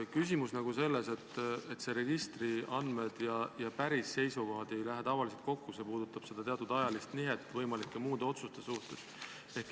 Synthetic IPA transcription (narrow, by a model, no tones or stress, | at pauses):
kys̬ʲimusnɑɡ̥use̞lːese̞t̪ːe̞t̪se̞ɾe̞ɡ̥ist̪riɑnd̪me̞d̪̥jɑjɑpæɾisːe̞jsuko̞ɦɑd̪̥e̞jlæɦet̪ɑvɑliselt̪̚ko̞kːuse̞puːd̪̥ut̪ːˑɑb̥se̞d̪̥ɑt̪e̞ɑt̪ud̪ɑjɑlist̪niɦe̞t̪ːˑvɤjmɑlikːˑemuːd̪̥eo̞t̪sust̪e̞suht̪e̞st̪ | e̞hk